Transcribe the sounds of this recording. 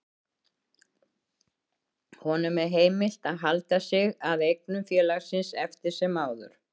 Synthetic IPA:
hɔnʏmɛðɦeːjmɪl̥t̪aðɦalt̪asɪɣaðejk̚nʏmfjɛːlaɣsɪnsɛft̪ɪɾ̥sɛmaːwðʏ̰ɾ̥

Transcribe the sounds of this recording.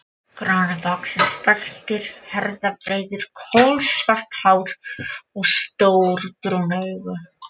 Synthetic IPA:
kɾaːɾaðɔksɛnsp̪aɬt̪ɪɾ̥hɛɾðapɾejðɪɾ̥kʰowlsvaht̪haːwɾ̥ɔɣst̪owɾt̪ɾuneɣʏ

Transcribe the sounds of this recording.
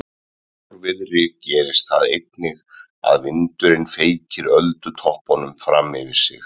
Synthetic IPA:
ɾvɪðrɪcɛːɾɪst̪θaðejt̪nɪɣ | a̰ðvɪnt̪ʏɾɪnfeːjcɪɾœlt̪ʏt̪ʰɔhpɔnʏmfɾamɪvɪɾ̥sɪ̰x

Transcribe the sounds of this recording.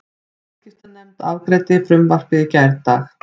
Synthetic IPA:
scɪft̪anːɛmt̪avkɾɛːt̪ɪfɾʏmvar̥kɪðcajɾt̪ax

